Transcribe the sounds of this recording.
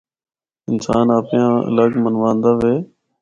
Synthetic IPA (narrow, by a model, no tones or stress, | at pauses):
ɪnsaːnaːpjãːə̰ləɡmənʋãːnd̪aːʋeː